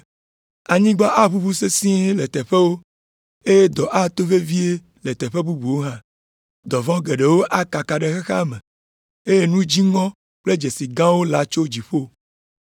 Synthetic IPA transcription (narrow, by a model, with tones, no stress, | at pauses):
a˨ɲĩ˦ɡ͡ba˦ʔa˦βu˦bu˦se˦sĩ˦e˦le˨t̪ɛ˨ɸe˦wo˦ | e˦je˦d̪ɔ˨ʔa˦t̪o˦ve˦vi˦e˦ | le˨t̪ɛ˨ɸe˦bu˦bu˨wo˦ɦã˦ | d̪ɔ˨vɔ̃˦ɡe˨ɖe˨wo˦ʔa˦ka˨ka˨ɖe˦xe˦xa̰˦mẽ˨ | e˦je˦nũ˦d͡ʑi˦ŋɔ̃˦ | k͡ple˦d͡ʒe˨si˨ɡã˦wo˦la˨t͡ʃo˦d͡ʑi˨ɸo˦